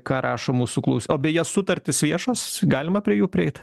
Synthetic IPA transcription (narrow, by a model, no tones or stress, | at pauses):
kɑːɾɑːʃoːmuːsuklˠɐʊsʲoːbʲɛjɛsʊt̪ɐrʲt̪ʲɪsʋʲiɛʃoːsɡɑːlʲɪmɐpʲɾʲiɛjuːpʲɾʲɪɛɪt̪